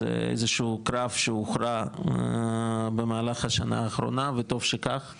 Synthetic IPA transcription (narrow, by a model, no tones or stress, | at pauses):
ḛḛjzeʃuːkɾafʃeuχɾa | bemaːlaχhaʃana̰ːχɾo̰navet̪o̞vʃekaχ